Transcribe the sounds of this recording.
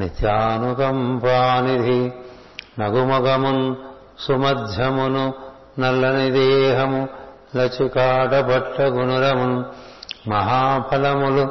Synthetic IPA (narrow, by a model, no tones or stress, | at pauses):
nit̪jaːnukɐmpaːnid̪ʱi | nɐɡumɐkɐmun | sumɐd̪ʱjɐmunu | nɐlːɐnid̪eːɦɐmu | lɐt͡ʃikaːʈɐpɐʈːɐɡunuɾɐmun | mɐɦaːpʰɐlɐmulu